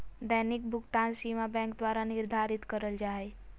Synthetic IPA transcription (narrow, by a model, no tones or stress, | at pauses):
d̪əɦnɪk̚bʱʊɡt̪ansimabɛ̃ŋk̚d̪waːɾanɪɾd̪ʱaːɾɪt̪kəɾəld͡ʒaːe